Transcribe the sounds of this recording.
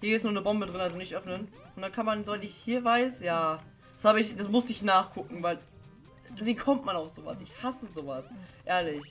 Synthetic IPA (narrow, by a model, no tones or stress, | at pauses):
hiːeːstnuːɐnəbɔmbədʁɪnalzonɪçtʔœfnənʔʊntd̥ankʰanmanzovaɪtɪçhiːɐvaɪsjḁː | ḁshaːbəɪçd̥asmʊstəɪçnaːχkʰʊkŋ̩vaɪl | viːkʰɔmtmanaʊfz̥oːva̰sɪçhasəzoːvasʔɛːɐlɪç